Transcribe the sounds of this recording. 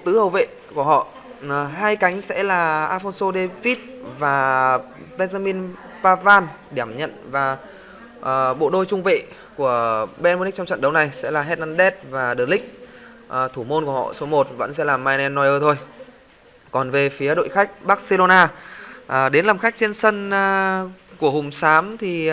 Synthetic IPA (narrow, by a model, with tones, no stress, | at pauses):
t̪ɨ˨˦hə˨˩wvḛ˧˨ | ku˧˩əɦɔ̰˧˨˩ | ɦaː˧jka˨˦jŋ̟sɛ̰˧˥laː˨˩ʔaː˧fɔ˧nso˧ɗe˧vi˦˥t̚vaː˨˩ | ɓe˧za˧mi˧n | paː˧vaː˧n | ɗi˧˩əmɲə̰˧˨nvaː˨˩˨ | ɓo̰˧˨ɗo˧jt͡ɕʊ˧ŋ͡mvḛ˧˨ | ku˧˩əɓe˧nm˧nï˦˥t͡ɕɔ˧ŋ͡mt͡ɕə̰˧˨nɗə˨˦wna˨˩jsɛ̰˧˥laː˨˩ɦɛ˦˥t̚naː˧nɗɛ˦˥t̚vaː˨˩ɗɨ˨˩lï˦˥k̟̚ | ʔəː˨˩t̪ʰu˧˩mo˧nku˧˩ə˩hɔ̰˧˨so˨˦mo˨˩t̚və̰˧˥nsɛ̰˧˥laː˨˩maː˧jnɛ˧nːɔ˨˧jʔəː˧t̪ʰo˧j | kɔ˨˩nve˨˩fi˨˦əɗo̰˧˨jxa˦˥jk̟̚ɓaː˦˥k̚se˧lo˧naː˧ʔəː˨˩ɗe˨˦nlaː˨˩mxa˦˥k̟̚t͡ɕe˧nsə˧n˧ku˧˩əɦʊ˨˩ŋ͡msaː˨˦mt̪ʰi˨˩